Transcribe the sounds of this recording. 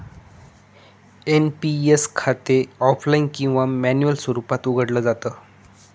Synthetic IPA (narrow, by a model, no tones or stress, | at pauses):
enpieskʰat̪eɔflainkĩw̃ʋamænjuəlswəɾupat̪uɡʱəɽləːd͡zat̪əː